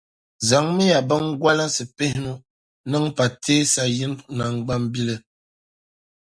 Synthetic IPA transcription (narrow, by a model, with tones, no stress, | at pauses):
za˨ŋmɨ˦ja˨bɨ˦ŋ˦ɡwa˦lɨ˦sɨ˨pe˦hɪ˦nu˦ | nɨ˦ŋpa˨tʰeː˦sa˨ji˦n˦˨na˨ŋɡ͡ba˦mbi˦lɨ˦